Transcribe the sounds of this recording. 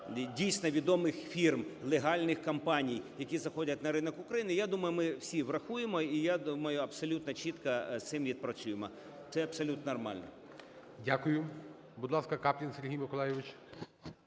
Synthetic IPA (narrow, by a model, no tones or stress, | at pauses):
dʲijsʲnɔʋʲid̪ɔmɪxfʲirmlˠeɦɑlʲnɪxkɐmpɑnʲijjɐkʲizɐxɔdʲɐtʲnɐɾɪnɔkʊkɾɐjinɪjad̪umɐjʊmɪwsʲiʋɾɐxujemɔijad̪umɐjʊɐpsɔlʲut̪nɔt͡ʃʲit̪kɐst̪sɪmʋʲid̪̚pɾɐt͡sʲujemɔ | t̪sɛɐpsɔlʲut̪nrmɑ̰lʲnɔ̰ | dʲakʊjʊ | bud̪lˠɑskɐkɑpʲlʲinseɾʲɦʲijmɪkɔlˠɑjɪʋɪt͡ʃ